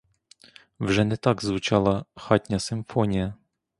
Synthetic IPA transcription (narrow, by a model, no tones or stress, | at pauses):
wʐɛnɛt̪aɡzvʊt͡ʃalˠɐxatʲnʲasɪmfɔnʲijɐ